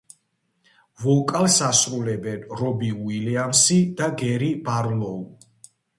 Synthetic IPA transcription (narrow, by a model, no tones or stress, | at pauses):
vɔkʼalsasɾulɛbɛnɾɔbiwiliamsid̪aɡɛɾibaɾlɔu